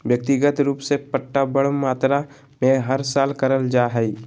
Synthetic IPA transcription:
ʋjək̚t̪ɪɡət̪ɾuːpsepəʈːabəɽmaːt̪ɾa | mẽɦɐɾsaːlkəɾəld͡ʒaːɦəi

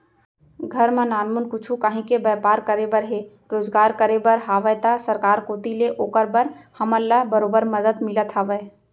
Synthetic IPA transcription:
ɡʱɐɾmãnaːnmʊnkʊt͡ʃʰukaɦĩkebɛːpaːɾkəɾebəɾɦe | ɾoːzɡaːɾkəɾebəɾɦaːʋəjt̪asəɾkaːɾkoːt̪ileʔoːkəɾbəɾhɐməlːabəɾoːbəɾməd̪əd̪mɪlət̪ʰɦaːʋə

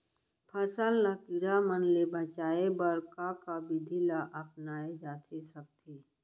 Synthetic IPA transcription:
pʰəsəlnakiɾamənlebʱət͡ʃaːebəɾkakabɪd̪ʱilaʔəpnaːed͡ʒaːt̪ʰesɐk̚t̪ʰi

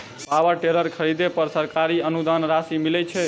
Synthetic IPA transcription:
pawəɾʈeləɾkʰəɾid̪epəɾsəɾkaɾiənud̪anɾasimilɛt͡ʃʰɛ

